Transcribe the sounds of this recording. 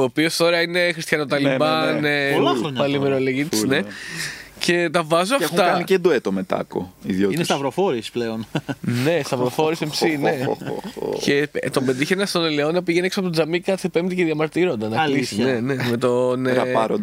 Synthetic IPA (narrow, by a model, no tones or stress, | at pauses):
oːpio̞st̪o̞ɾɐine̞xɾist̪çɐno̞t̪ɐlibɐnellaɾoɲpɐlimeɾoleʝit̪issne̞ | ce̞t̪ɐvɐzoɐft̪ɐɐniced̪oet̪omet̪ɐ̰ko̰iðjoinest̪ɐvɾofoɾispleonne̞st̪ɐvɾofoɾisempsinḛ | ce̞t̪o̞mbed̪içenɐst̪oneleonɐp̬iʝenieksɐpot̪d͡zɐmikɐt͡sepe̞md̪iceðjɐmɐɾt̪iɾo̞nd̪ɐnɐklisine̞ne̞met̪onet̪ɐpɐɾo̰d̪